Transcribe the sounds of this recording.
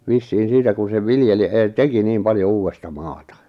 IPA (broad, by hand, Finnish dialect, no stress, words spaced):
ʋisːiːn̞ siːtæ kun̞ seʋ ʋiljeli eˑteki nim pɑljo uːwestɑ mɑːtɑ